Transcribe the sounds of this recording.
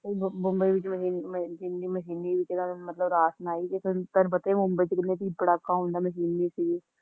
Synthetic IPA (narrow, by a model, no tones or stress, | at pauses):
imʊ̃mbəiʋɪt͡ʃməʃiːnd͡ʒɪnːiːməʃiːniʋɪt͡ʃeɡamət̪ləbɾaːsnaːid͡ʒekt̪əɾbət̪eimʊ̃mbəit͡ʃkɪẽt̪iːpəɽaːkːaːɦõnd̪aːməʃiːniːsiː